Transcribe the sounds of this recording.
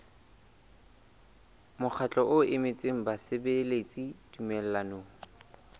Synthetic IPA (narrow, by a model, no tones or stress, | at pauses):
mʊk͡xʰat͡ɬʼɔʔʊɪmɪt͡sʼɪŋ̩basɪbelet͡sʼidumɛl̩lanoːŋ̩